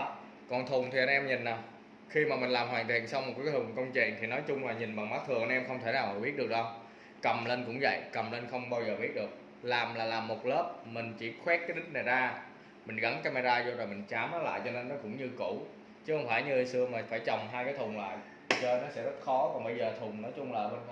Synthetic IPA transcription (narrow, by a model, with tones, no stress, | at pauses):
kɔ˨˩nt̪ʰu˨˩ŋt̪ʰi˨˩ə˧nʔɛ˧mɲi˨˩n̟ːaː˨˩w | xi˧maː˨˩mï˨˩ŋ̟laː˨˩mhwaː˨˩ŋt̪ḭ˨ənsa˧wŋ͡mo˨˩kːa˨˩˨t̪u˨˩ŋkə˧wŋ͡mt͡ɕḭ˧˨nt̪ʰi˨˩nɔ˨˦jt͡ɕʊ˧ŋ͡mlaː˨˩ɲi˨˩nɓa˨˩ŋmaː˨˦˥t̪ɨ˨˩əŋʔa˧nʔɛ˧mxə˧wŋ͡mt̪ʰe˧˩naː˨˩wa˨˩ɓi˦˥ət̚ɗək̚ɗə˧w | kə˨˩mlə˧nkʊ̰˧˥ŋ͡mvə̰˧˨jkə˨˩mlə˧nxə˧wŋ͡mɓaː˧wzəː˨˩ɓi˦˥ət̚ɗɨ˨˩ək̚ | laː˨˩mlaː˨˩laː˨˩mːo˨˩t̚ləː˦˥p̚mï˨˩ŋ̟t͡ɕi˧˩xwɛ˦˥t̚k̚kːaː˨˦jɗï˦˥ŋ̟̚na˨˩zaː˧ | mï˨˩ŋ̟ɣə˧˦ŋkaː˧ma˧zaː˧zo˧zo˨˩mï˨˩ŋ̟t͡ɕaː˨˦mʔəː˨˦la̰ː˧˨jt͡ɕɔ˧ne˧nːɔ˨˦kʊ̰˧˥ŋ͡mɲɨ˧ku˧˩ | t͡ɕɨ˨˦hə˧wŋ͡mfaː˧˩jɲɨ˧sɨ˧əmaː˨˩faː˧˩jt͡ɕə˨˩wŋ͡mɦaː˧jkaː˨˦jt̪ʰʊ˨˩ŋ͡mŋla̰ː˧˨j | t͡ɕə˧nɔ˨˦sɛ̰˧˥zə˦˥t̚xɔ˨˦kɔ˨˩ŋɓə˧jzəː˨˩t̪ʰʊ˨˩ŋ͡mnɔ˨˦jt͡ɕʊ˧ŋ͡mlaː˨˩mi˨˩n˧